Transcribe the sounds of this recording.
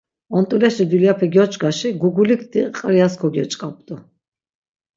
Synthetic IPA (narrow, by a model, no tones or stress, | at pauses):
ɔnt̪ʼulɛʃid̪uliapʰɛɡjɔt͡ʃʼɡaʃiɡuɡulikʰt̪iqʼɾiaskʰɔɡjɔt͡ʃʼkʼap̚ʼd̪ɔ